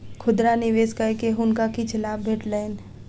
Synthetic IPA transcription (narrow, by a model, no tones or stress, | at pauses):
kʰʊd̪ɾanɪʋeːskaɾkeɦʊnkakit͡ʃʰɐlaːbbʱeːʈlaɪn